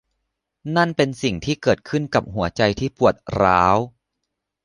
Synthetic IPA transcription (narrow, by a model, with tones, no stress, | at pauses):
na˥˩npe˧nsi˨˩ŋt̪ʰiː˥˩kɤː˨˩t̪̚kʰɯ˥˩nka˨˩p̚ɦu˩˦ɐt͡ɕa˧jt̪ʰiː˥˩pu˨˩ət̪̚ɾaː˦˥w